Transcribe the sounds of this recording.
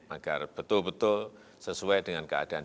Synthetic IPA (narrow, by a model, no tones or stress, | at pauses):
aɡ̥arb̥ət̪ʊlbət̪ʊl | səsuɛd̥əŋankəa̰d̥a̤an